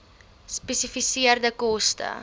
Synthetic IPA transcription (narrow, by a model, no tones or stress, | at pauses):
spesifisiərdəkɔstə̰